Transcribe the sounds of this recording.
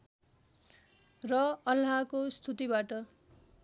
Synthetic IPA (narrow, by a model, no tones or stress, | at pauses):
rʌʌlɦakost̪ʰut̪ibaʈʌ